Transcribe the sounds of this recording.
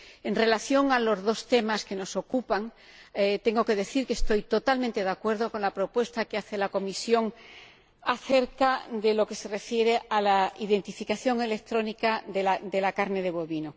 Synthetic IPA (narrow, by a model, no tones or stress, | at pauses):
e̞nre̞laθjo̞ŋalo̞zðo̞st̪e̞maske̞no̞so̞kupaŋ | et̪e̞ŋɡo̞ke̞ðe̞θiɾkest̪o̞jt̪o̞t̪almẽnt̪e̞ðakwe̞ɾð̞o̞ko̞nlapɾo̞pwe̞st̪akeaθe̞lako̞misjo̞ŋ | aθe̞ɾkad̪e̞lo̞ke̞se̞re̞fje̞ɾe̞alaiðe̞nt̪ifikaθjo̞ŋe̞le̞k̚t̪ɾo̞nikae̞lad̪e̞lakaɾne̞ð̞e̞β̞oβino